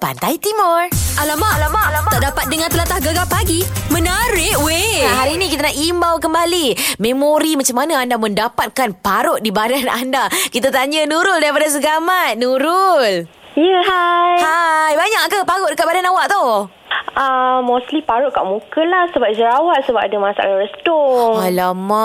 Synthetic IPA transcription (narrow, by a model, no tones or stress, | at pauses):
pa̰nt̪ajit̪imɔrʔalamaʔlamaʔat̪aʔdapat̪̚dəŋant̪əlat̪ahɡaɡapaɡimənəɾɪʔweaɦaɾiːnikit̪anaʔimbawkəmbalimẽmoɾimat͡ʃamːanəandamə̃ndapat̪̚kanpaɾʊʔ̚dibadana̰ndakit̪̬at̪aɲənuɾʊldaɾipadas̬əɡamat̪̚nuɾʊl | jəɦajhajbaɲakkəpaɾʊʔdəkat̪̚badanawaʔt̪o | əmost̪lipaɾʊʔ̚ka̰ʔmũkəlahsəbap̚d͡ʒəɾawat̪̚səba̰p̚adəmasa̰a̰laɾəst̪ʊŋalamã